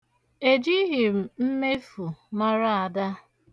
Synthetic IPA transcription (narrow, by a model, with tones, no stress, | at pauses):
e˨d͡ʒi˦ɦi˨m̩˦me˦fu˨ma˦ɾa˦a˨da˦